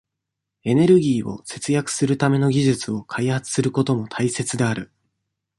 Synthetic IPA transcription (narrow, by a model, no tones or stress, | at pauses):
e̞ne̞ɾɯ̟ɡʲiːo̞̰se̞t͡sɨjakɯ̟̥sɨɾɯ̟t̪ame̞no̞ɡʲiʑɨt͡sɨo̞kʰaihat͡sɨ̥sɨɾɯ̟ko̞t̪o̞mo̞t̪ʰaise̞t͡sɨd̪e̞aɾɯ̟